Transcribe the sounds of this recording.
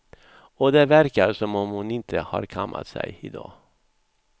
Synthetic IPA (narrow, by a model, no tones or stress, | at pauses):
ɔd̪eːvæɾkaɾʂɔmɔmhʊnɪnt̪ʰəhɑːɾkʰamːʔa̰t̪sɛ̰jɪd̪ɑ̰ː